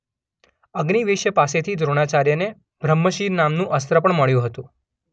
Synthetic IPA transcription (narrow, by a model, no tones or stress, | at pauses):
əɡniʋɪʃjəpaset̪ʰid̪ʱɾoɽ̃at͡ʃaɾjəne | bʱɾəmːəʃiɾnamnũʔəst̪ɾəpəɳməɭjũɦət̪ũ